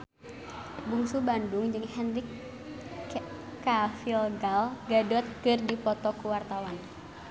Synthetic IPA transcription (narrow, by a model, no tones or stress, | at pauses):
buŋsubandʊŋd͡ʒɨŋhɛnɾik | afilɡalɡadɔt̪̚kɨrdipɔt̪ɔkuwart̪awan